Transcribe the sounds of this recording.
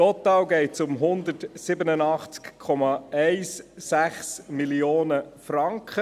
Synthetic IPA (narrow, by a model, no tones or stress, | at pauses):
tɔtːɑːwɡɛɪsʊmɦʊnd̪ətsɪbənənɑχt͡skkʰːɔmɑɛɪsːæχsmilioːnəfrɑŋkχə